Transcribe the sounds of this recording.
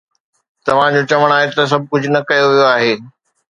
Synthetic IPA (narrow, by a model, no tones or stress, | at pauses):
t̪ɐʋ̤ãd͡ʑot͡ɕɐʋəɽ̃aːɦet̪ɐs̬ɐb̚ʱkʊd͡ʑʱʊnɐkɐjoʋijoaːɦeː